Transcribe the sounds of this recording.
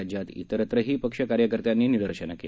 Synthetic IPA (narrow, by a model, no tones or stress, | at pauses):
ad͡ʑjat̪ḭt̪əɾət̪ɾəɦiːpəkʂəkaɾjəkəɾt̪janːiːnid̪əɾɕəna̰ke